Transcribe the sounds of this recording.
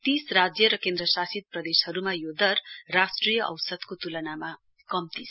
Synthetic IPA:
t̪israd͡zjʌɾʌkẽnd̪rʌsasid̪̚prʌd̪eshʌɾumajod̪ʌrːasʈrijʌʔʌ̰wsʌd̪kot̪ulʌnama | kʌmt̪isʰ

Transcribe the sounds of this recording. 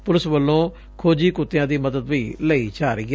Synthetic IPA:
pʊlɪsʋəlːõː | kʰoːd͡ʒiːkʊt̪ːɪjãːd̪iːməd̪əd̪ʋiːləiːt͡ʃaːɾeɡ

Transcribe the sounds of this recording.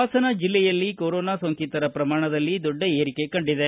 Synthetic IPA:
aːsɐnɐd͡ʒilːɛjɐlːikoɾɔːnaːsoŋkit̪ɐɾɐpɾɐmaːɳɐd̪ɐlːid̪ɔɖːɐeːɾike̞kɐɳɖid̪e

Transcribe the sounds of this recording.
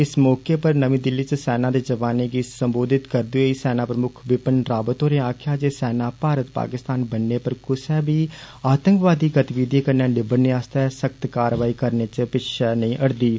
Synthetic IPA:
ɪsmɔːkeːpəɾnəʋĩːd̪ɪlːiːt͡ʃsɛːnãːd̪eːd͡ʒəʋaːneːɡiːsəmboːd̪ɪt̪kəɾd̪oeːisɛːnãːpɾəmʊkʰʋɪpənɾaːbət̪ɦoːɾeːaːkʰjaːd͡ʒeːsɛːnãːpaːɾət̪pa̰ːkɪst̪aːnbənːeːpəɾkʊsɛːbiː | aːt̪ə̃ŋkʋaːd̪iːɡət̪ʋiːd̪iːkəɾnẽːnɪbəneːaːst̪aːsəkt̪kaːɾʋaːiːkəɾneːt͡ʃpɪʃʰənəĩːʔəɽd̪iː

